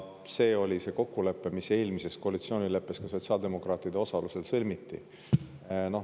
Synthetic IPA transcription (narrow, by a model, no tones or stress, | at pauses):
se̞ːo̞lʲise̞ːko̞kːule̞pːe̞mise̞ːlmise̞sko̞ɑlit̪sio̞ːnʲile̞pːˑe̞skɑso̞t̪ʲsiɑld̪e̞mo̞kˑrɑːt̪ːˑid̪eo̞sɑluse̞d̪sɤlʲmit̪ːḭ | no̞